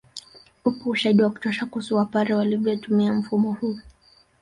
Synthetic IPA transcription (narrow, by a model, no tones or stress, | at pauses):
upɔːʃaiɗiwaku̥tɔʃakusuwapaɾɛwalivɛtumiam̩fumɔhuː